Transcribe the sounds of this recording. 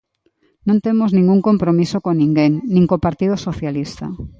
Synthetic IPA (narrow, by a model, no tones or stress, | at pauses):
nõnt̪emoznĩŋɡuŋkompɾomisokonĩŋɡeŋnĩŋkopaɾt̪ið̞osoθjalist̪a̰